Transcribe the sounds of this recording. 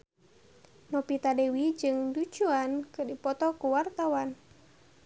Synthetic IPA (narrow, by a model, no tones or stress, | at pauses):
nɔpit̪adewid͡ʒɨŋdud͡ʒuankɨrdipɔt̪ɔkuwart̪awan